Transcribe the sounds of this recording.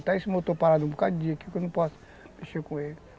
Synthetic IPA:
t̪aismet̪opaɾad̪ũbokad̪ʊd͡ʒĩɐkiukeonɐ̃pɔsɐ̥ | meʃeɾkõelɪ

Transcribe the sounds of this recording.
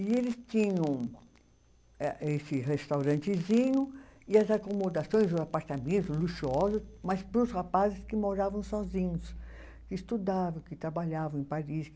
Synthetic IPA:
ɪelɪst͡ʃĩɲɐ̃w̃ | ɛesɪhest̪awɾɐ̃nt͡ʃɪzĩɲʊɪɐzakomod̪asõj̃zʊzapaɾt̪amẽnt̪ʊzluʃuɔzʊsmɐspɾʊshapazɪskɪmoɾavɐ̃w̃sɔzĩɲʊs | kɪːst̪ud̪avɐ̃w̃kɪt̪ɾabaʎavɐ̃w̃ẽpaɾis

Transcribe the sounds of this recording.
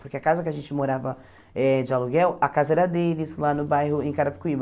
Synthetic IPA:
poɾkeakazɐkɪaʒẽnt͡ʃɪmoɾavɐ | ɛd͡ʒɪaluɡɛwakazɐɛɾɐd̪elɪslanʊbajhʊḛ̃j̃kaɾapi̥kuib

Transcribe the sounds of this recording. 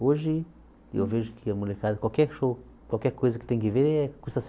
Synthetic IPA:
oʒi | ḛwveʒukʰiamulekad̪kwalkɛɾʃo | kwalkɛɾkojzɐki̥t̪ẽŋkiveɾkusas

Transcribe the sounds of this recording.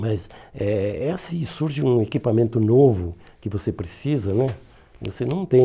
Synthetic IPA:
mɐzɛɛsĩsuɾʒɪũekipɐmẽnt̪ʊnovʊ | kɪvosepɾɪsizɐnɛ | vo̰senɐ̃w̃t̪ẽ

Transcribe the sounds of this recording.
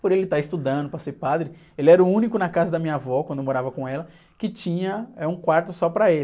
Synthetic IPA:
poɾelɪt̪aɪst̪ud̪ɐ̃nd̪ʊpɾɐseɾpad̪ɾɪ | elɪɛɾʊũnikʊnɐkazɐd̪ɐmĩɲavɔkwɐ̃nd̪emoɾavɐkõɛlɐ | kɪt͡ʃĩɲɐɛũkwaɾt̪ʊsɔpɾɐel

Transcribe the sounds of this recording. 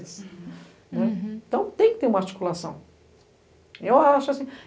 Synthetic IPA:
ɐs | nɛ̃t̪ɐ̃w̃t̪ẽj̃kɪ̥t̪eɾũmɐaɾt͡ʃi̥kulasɐ̰̃w̃ | ewaʃʊasĩ

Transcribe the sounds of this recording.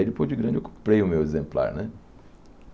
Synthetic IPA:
jd͡ʒ̪ɪpojd͡ʒɪɡɾɐ̃d͡ʒɪewkõ̥pɾejʊmewezẽmpla̰ɾnɛ

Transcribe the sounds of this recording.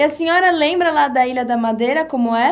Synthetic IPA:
ɐsẽɲɔɾɐlẽmbɾɐlad̪ɐilɐd̪ɐmad̪ejɾɐkõmʊɛ

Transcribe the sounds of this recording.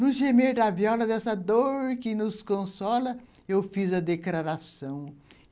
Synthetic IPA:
nʊzʒemeɾd̪ɐviɔlɐd̪ɛsɐd̪oɾkɪnʊskõsɔlɐ | ewfizɐd̪eklɾaɾasɐ̃w̃

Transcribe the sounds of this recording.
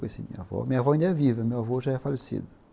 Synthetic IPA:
esɪ̃mḭ̃ɲɐvɔ̰mĩɲɐvɔaĩnd̪ɐɛvivɐmewavoʒaɛfalesḭd̪ʊ

